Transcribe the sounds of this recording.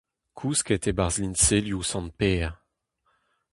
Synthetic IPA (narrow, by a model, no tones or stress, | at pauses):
kʰusket̪ebaʁzlinseljusɑ̃npɛːʁ